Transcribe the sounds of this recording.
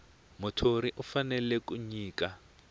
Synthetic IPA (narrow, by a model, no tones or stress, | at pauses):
mʊtʰoɾiʔufanɛlɛkuɲiːka